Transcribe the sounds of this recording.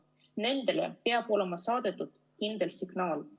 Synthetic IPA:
ne̞nd̪̥e̞lḛpe̞ɑb̥o̞le̞mɑsɑːd̪̥et̪ːˑud̪̥ | kind̪̥e̞lsiɡ̥nɑːl

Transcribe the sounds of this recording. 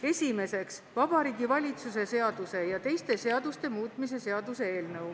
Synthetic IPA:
e̞sʲime̞se̞ksvɑb̥ɑɾiːɡ̥ivɑlʲit̪sus̬e̞se̞ɑd̪̥use̞jɑt̪e̞jst̪e̞se̞ɑd̪ust̪e̞muːt̪ˑmis̬e̞se̞ɑd̪use̞e̞ːlnɤw

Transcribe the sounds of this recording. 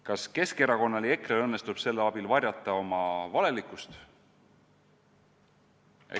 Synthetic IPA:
kɑske̞ske̞ɾɑko̞nːɑlie̞krelɤ̞nːe̞st̪ub̥se̞lːeɑb̥ilvɑrjɑt̪ːˑɑo̞mɑvɑle̞likˑːust̪ | ḛ

